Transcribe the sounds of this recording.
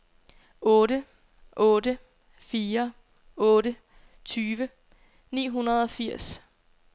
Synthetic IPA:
ɔ̽ːdə | ʔɔ̽ːdə | fiːɐ | ɔ̽ːɾə | t͡sʰyːʋə | nḭːɦunɐð̞̩ˠɒ̽fiɐ̰s

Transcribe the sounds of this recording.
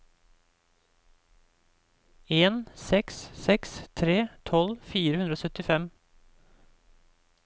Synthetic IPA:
eːnsɛkssɛkst̪ʰɾeːt̪ʰɔlfiːɾəhʉnd̪ɾoːsœt̪ɪfɛm

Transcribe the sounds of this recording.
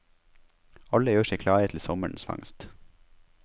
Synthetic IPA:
ɑləjøːʃeɪkʰlɑːət̪ʰl̩sɔmə̰ɳsfɑ̰ŋst̪

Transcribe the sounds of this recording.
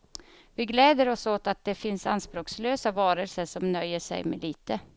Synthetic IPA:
vɪɡlɛːd̪əɾɔsoːt̪at̪̚d̪ɛfɪnsa̰nspɾoːksløːsavɑːɾəlsəʂɔmnœjːəʂɛ̰jmɛ̰liːt̪ə

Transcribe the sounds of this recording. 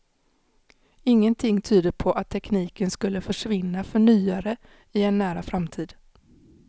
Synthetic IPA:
ɪŋːənt̪ʰɪŋːt̪ʰyːd̪əpʰɔʔat̪ʰːɛkniːkənskɵlːəfœʂvɪnːafœɳyːaɾə | ɪɛnːæːɾafɾamt̪ʰiːd̪

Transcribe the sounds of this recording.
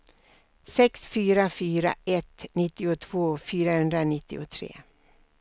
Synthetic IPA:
sɛksfyːɾafyːɾa̰ʔɛt̪nɪt̪ːɪʊt̪ʰv̥oːfyːɾahɵnd̪ɾanɪt̪ːɪ̰ʊt̪ʰɾḛː

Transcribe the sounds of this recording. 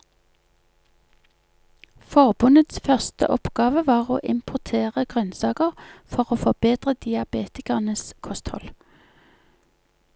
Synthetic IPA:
fɔʁbʉnət̪sfœʁst̪ə̰ʔɔpɡ̥ɑːʋəʋɑːʁo̰ːʔɪmpʰʊʁt̪ʰeːʁəɡʁœnsɑːkəʁfɔʁoːfɔbeːd̪̥ʁəd̪ɪɑbeːt̪ɪkɑʁnəskʰɔst̪hɔ̰l

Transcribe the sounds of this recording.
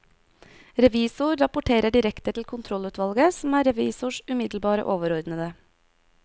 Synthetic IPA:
ɾɛʋiːsʊɾɾɑpʊʈʰeːɾəɖɪɾɛkt̪ət̪ʰl̩kʰʊnt̪ʰɾɔlʉːt̪ʋɑlɡəsm̩æːɾɛʋiːsʊʃʉmɪd̪l̩bɑːɾə̰ʔoːʋəɾɔɾd̪n̩əd̪ə

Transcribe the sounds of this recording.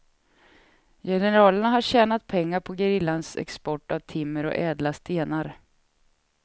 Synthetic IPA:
jɛnɛəɾɑːləɳaɦaɾɕɛːnat̪̚pʰɛŋːaɾpʰɔɡəɾɪlːansɛ̰kspɔʈːavt̪ʰɪmːəɾɔ̰ʔɛːd̪last̪ʰeːnaɾ

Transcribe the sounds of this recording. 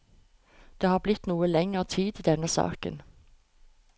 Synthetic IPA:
d̪̥eːhɑːʁblɪt̪nuːəlɛŋəʁt̪ʰiːd̪id̪ɛnəsɑ̰ːkə̰n

